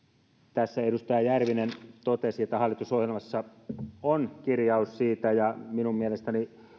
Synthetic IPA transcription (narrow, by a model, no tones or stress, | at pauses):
t̪æsːæedust̪ɑjɑjærʋinent̪ot̪esiet̪ːæhɑlːˑit̪usohjelmɑsːɑonkirjɑussiːt̪æjɑminummielest̪æni